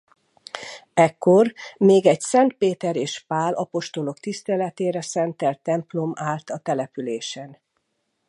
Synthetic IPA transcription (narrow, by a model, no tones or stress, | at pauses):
ɛkːo̞rmeːɡɛɟsɛnt̪̚peːt̪ɛɾeːʃpaːlʔɒpo̞ʃt̪o̞lo̞kt̪ist̪ɛlɛt̪eːɾɛsɛnt̪ɛlt̪ːɛmplo̞maːlt̪ɒt̪ɛlɛpyleːʃɛn